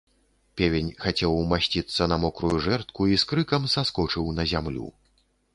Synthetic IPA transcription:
pʲɛvʲenʲxat͡sʲɛwmasʲt͡sʲit̪sːɐnɐmɔkɾujuʐɛrt̪kuiskɾɨkɐmsaskɔt͡ʂɨwnɐzʲamlʲṵ

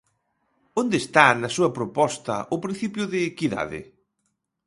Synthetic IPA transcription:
ond̪est̪anɐsuɐpɾopɔst̪ɐ̰ʊpɾin̟θipjʊðɪːkiða̰ðɪ̰

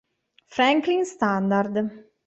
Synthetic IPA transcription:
fɾɛŋklinst̪and̪aɾd̪

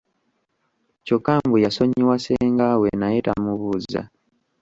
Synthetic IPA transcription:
cokːaːmbujaso̞ɲiwaseːŋɡawenaje̞ta̰muβuːza̰

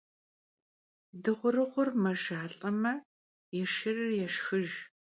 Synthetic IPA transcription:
dɨʁʷʊrɨʁʷʊrmɐʒaːɬʼɐmɐ | jɛʃɪrɨrjɛʃxɨʒ

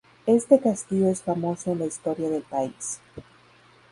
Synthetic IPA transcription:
e̞st̪e̞kast̪iʝo̞e̞sfamo̞so̞enlaist̪o̞ɾjaðe̞lpais

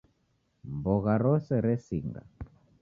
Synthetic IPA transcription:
mbɔɣaɾɔsɛɾɛsiŋɡa̰

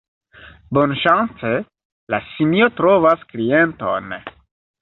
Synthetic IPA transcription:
bonʃant͡se | la̰simiotɾovaskliento̰n

